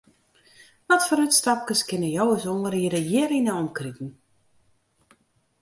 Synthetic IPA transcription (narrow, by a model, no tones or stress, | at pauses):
ʋɔtfɔɾytstɑp̚kəskɪnəjowəsoŋəɾiədəjɪəɾinəɔmkritn̩